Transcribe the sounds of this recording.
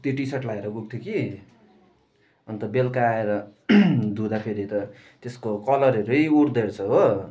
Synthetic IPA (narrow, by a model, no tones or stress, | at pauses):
t̪iʈisaʈlaeɾʌɡuɡ̚t̪ʰjoki | ʌnt̪ʌbelkaːeɾʌ | d̪ʱud̪apʰeɾit̪ʌ | t̪eskokʌlʌɾʌɾʌjuɽd̪eɾt͡sʰʌɦo